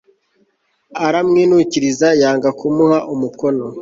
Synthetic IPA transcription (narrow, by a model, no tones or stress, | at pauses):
aɾamŋiːnuciɾizajaːŋɡakumuhaʔumukono